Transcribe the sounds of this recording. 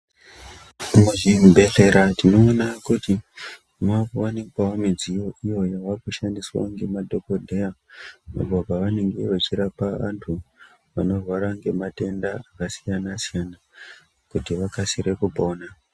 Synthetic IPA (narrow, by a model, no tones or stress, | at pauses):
muʒibʱe̞ɬe̞ɾatino̞ːnakuti | makowanekwaomid͡zijo̞ijo̞jaʋakuʃandiswa̰ŋɡe̞madʱo̞kodʱe̞jama̰ɡʱaɡʱaʋane̞ŋɡe̞ʋat͡ʃiɾapaʋa̰ntʰu | ʋa̰no̞rwaɾaŋɡe̞mate̞ndaakasijanasijana | kutiʋakasiɾe̞kupo̞ːna